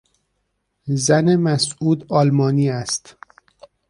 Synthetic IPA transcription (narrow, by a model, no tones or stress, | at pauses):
zænemæsʔuːd̪ɒːlmɒːniːæst̪